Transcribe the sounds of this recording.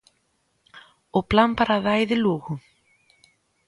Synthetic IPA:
ɔɣplampaɾaːðaːjðɪluːɣʏ

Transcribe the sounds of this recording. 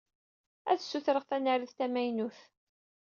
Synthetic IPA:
æ̰θsːuθɾəʁθænæɾiθt̪æmæjnuθ

